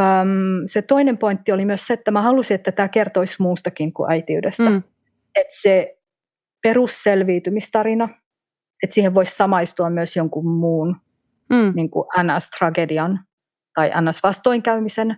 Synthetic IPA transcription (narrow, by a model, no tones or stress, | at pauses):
əmset̪oinempoint̪ːiolimyøsseet̪ːæmæhɑlusiet̪ːæt̪æːkert̪oismuːst̪ɑkiŋkṵʔæit̪iyydest̪æ | et̪se | perusselʋiːt̪ymist̪ɑɾinɑ | et̪siːheʋʋoissɑmɑist̪uɑmmyøsjoŋkummuːn | niŋkṵʔænæst̪rɑɡediɑn | t̪ɑiʔæ̰nːæsʋɑst̪oiŋkæymisen